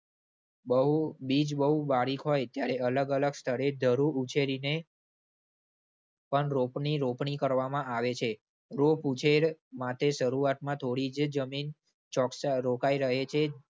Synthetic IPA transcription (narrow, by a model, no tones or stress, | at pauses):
bəɦubid͡ʒbəɦubaɽikɦojt̪jaɾeələɡələɡst̪ʰəɽed̪ʱəɾuut͡ʃʰeɾine | pəɳɾopɳiɾopɳikəɾʋamãaʋet͡ʃʰe | ɾoput͡ʃʰeɾmat̪ʰeʃəɾuat̪̚mãt̪ʰoɽid͡ʒd͡ʒəmin | t͡ʃɔksɾokaiɾəɦet͡ʃʰe